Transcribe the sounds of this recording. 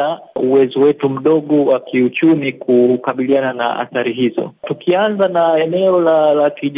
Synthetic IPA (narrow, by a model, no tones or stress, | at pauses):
auwɛzɔwɛtum̩ɗɔɠɔwakiut͡ʃumikukaɓilianana̰a̰θaɾiɦizɔ̰tukianzanaɛnɛɔlalakiʄ